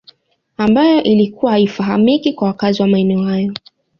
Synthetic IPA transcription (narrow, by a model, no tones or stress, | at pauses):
ambajɔʔilikuwahaifaɦamikikwawakaziwamaɛnɛɔhajɔ